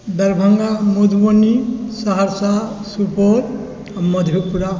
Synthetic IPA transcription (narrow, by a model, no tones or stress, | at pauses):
d̪ɐɾbʱəŋɡamud̪ʱbonisaɦaɾsasupoɾ | mʌd̪ʱjopuɾa